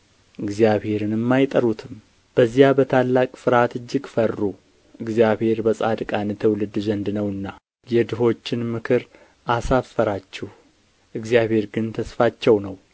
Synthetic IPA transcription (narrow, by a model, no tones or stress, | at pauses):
ʔɨɡzijaβhe̞ɾɨnɨmːajt̪ʼəɾut̪ʰɨm | b̥əzːijabət̪ʰalːakʼfɨɾat̪ɨd͡ʒːɪɡfərːu | ʔɨɡzjaβhe̞ɾbəsʼad̪kʼant̪ʰəwlɨd̪zənd̪nəwɨnːa | jɛd̪ɨɦo̞t͡ʃːɪnmɨkʰɨɾ | ʔasafəɾat͡ʃːɛh | ʔɨɡzjaβhe̞ɾɡɨnt̪ʰəsfat͡ʃːɛwnəw